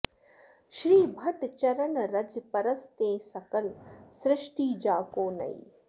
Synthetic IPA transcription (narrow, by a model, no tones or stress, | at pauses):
ʃɾiːbʱɐʈt͡ʃɐɾɐɳɾɐd͡ʒpɐɾɐst̪ẽːsɐkɐlsɾɪʃʈiːd͡ʒaːkoːnɐ̰ḭ